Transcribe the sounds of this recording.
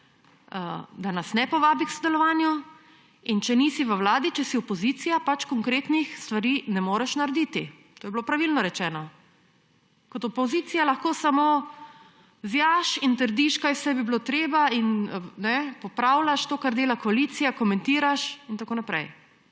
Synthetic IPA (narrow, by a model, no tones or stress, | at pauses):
əd̪anasnɛpɔʋaːbiksod̪ɛlɔʋaːnju | int͡ʃɛnisiʋəwlaːd̪it͡ʃɛsiɔpɔzit̪sijapat͡ʃkɔŋkɾeːt̪nixst̪ʋaɾiːnɛmoːɾɛʃnaɾɛd̪iːt̪i | t̪oːjɛbloːpɾaʋilnɔɾɛt͡ʃɛːnɔ | kɔt̪ɔpɔzit̪sijalaxkoːsamoː | zjaʃint̪əɾd̪iʃkajsɛjbiblot̪ɾeːbainnɛpɔpɾawlaʃt̪oːkaɾd̪eːlakɔaliːt̪sijakɔmɛ̃nt̪iːɾaʃint̪akoːnapɾɛ̰j